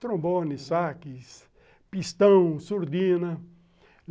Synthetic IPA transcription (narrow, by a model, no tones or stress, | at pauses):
t̪ɾõmbonisakis | pist̪ɐ̃w̃suɾd̪ĩnɐ